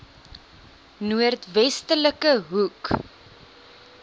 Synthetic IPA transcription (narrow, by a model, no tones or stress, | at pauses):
nuərtvɛstələkəɦuk